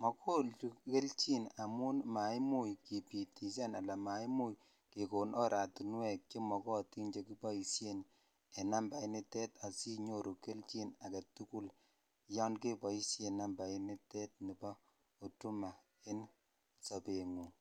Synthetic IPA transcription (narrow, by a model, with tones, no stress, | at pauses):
mɔ˨kʰo˦lt͡ʃu˦ke˦lt͡ʃi˦na˨mu˦nma˨jmu˦˨jki˨pi˨ti˨s̬ɛ˦na˨la˨ma˨˦jmu˦j | ke˨ko˨nʔɔ˦ɾʔa˨tu˨nwɛ˨k̚t͡ʃi˦mɔ˨kɔ˦ti˦nd͡ʒe˨ki˦pɔ˦i˨sje˦n | e˨na˦mba˨i˦ni˦te˦ta˨si˦ɲo˦ɾʔu˨ke˦lt͡ʃi˦na˨ka˨tu˦ku˦l | jɔ˦nke˦pɔ˨i˦sje˨nːa˦mba˨i˦ni˦tɛ˦t̚ni˨bɔ˦ | o˨tu˦ma˨ | e˦n | sa˨pe˨ŋu˨